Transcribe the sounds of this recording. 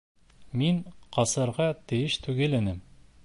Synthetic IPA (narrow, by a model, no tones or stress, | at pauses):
minqɒsɤ̆ɾʁɑt̪ɘ̆jɘʃt̪ʉɡɘ̆lɘ̆nɘm